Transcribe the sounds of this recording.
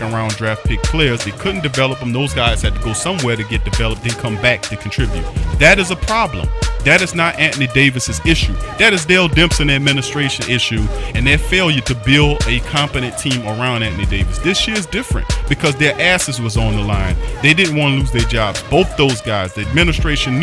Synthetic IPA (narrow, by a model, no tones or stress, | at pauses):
ə˞ãʊ̃ndɹæft̚pʰɪkʰl̥ɛɹzðeɪkʰʊdⁿn̩d̥ɨvɛlˠəpə̃m̩ðoʊzɡaɪz̥hɨd̚tʰɨɡoʊsʌ̃mwɛɹɾɨɡɛt̚d̥ɨvɛlˠəp̚dɨ̃nkʰʌ̃mbæk̚tʰɨkʰn̩tʰɹ̥ɪbjʉ̰t̪̚ðɨɾɨzəpʰɹ̥ɑblə̰̃mðɨɾɨznəɾʔæʔnideɪvɨsɨzɪʃʉðɨɾɨzdɛlˠdɛ̃mpsɨ̃nɨd̚mɪnɨstɹ̥eɪʃɨ̃nɪʃʉɨ̃nðɨfeɪlˠjɨɾɨbɪlˠdɨkʰɑ̃mpɨɾɨ̃ntʰĩmə˞ãʊ̃ndæ̃ʔnideɪvɨsðɪsʃɪɹzdɪfɹɨ̰̃ntb̥ɨkʰʌzðə˞ʔæsɨzwʌzn̩ðəlãɪ̃nðeɪdɪdⁿn̩ʔ̚wɑ̃nəluzðə˞d͡ʒɑbboʊθðoʊzɡaɪzðiɨd̚mɪ̃nɨstɹ̥eɪʃɨ̃n